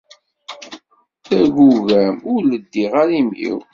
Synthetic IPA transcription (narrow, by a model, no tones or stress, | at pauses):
θæɾɡuɣæmʊɾləd̪ːiʁaɾimḭw